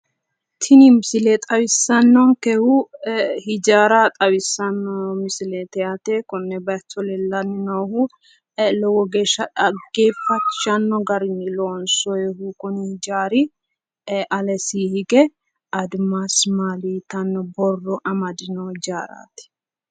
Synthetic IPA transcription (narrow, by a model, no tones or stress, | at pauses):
t̪ʰɪnɪmɪsɪlɛt̪ʼɐwɪsːɐnːɔŋkɛhʊhɪd͡ʒaːɾat̪ʼɐwɪsːɐnːɔmɪsɪlɛt̪ɛjat̪ekɔnːɛbɐtːɔlɛlːɐnːɪnɔːhʊ | lɔwɔɡe̞ːʃɐᶑɐɡeːfːɐt͡ʃːɐnːɔɡɐɾɪnːɪloːnsɔjɛɦukɔnɪhɪd͡ʒaːɾɪ | ʔɐlɛsiːhɪɡɛ | ɐd̪masmaːlit̪ɐnːɔbɔrːɔʔɐmɐd̪ɪnɔɪd͡ʒaːɾa̰ːt̪ɛ̥